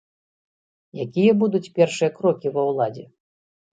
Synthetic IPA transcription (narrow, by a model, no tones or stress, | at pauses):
jakʲijɐbud̪ut͡sʲpʲɛrʂɨjɐkɾɔkʲivɐwlˠad͡zʲɛ